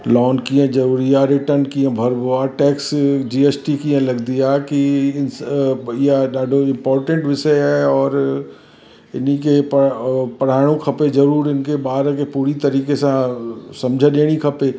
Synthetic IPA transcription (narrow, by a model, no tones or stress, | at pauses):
lɔːnkĩjə̃zɐɾuːɾiaɾɪʈəɾnkiə̃bʱɐɾboaʈɛːksd͡ʒiːeːsʈikiə̃lɐɡd̪ijakiɪnijaɗaːɖʱoɪ̃mpɔːɾʈə̃ɳʈʋɪsəjɛɔːɾ | ɪnikeppɐɽ̤aːɪɽ̃õkʰɐpezɐɾuːɾɪnkeɓaːɾkepuːɾit̪ɐɾiːkesãsɐ̃md͡ʒʱəɗeːɽ̃ikʰɐpe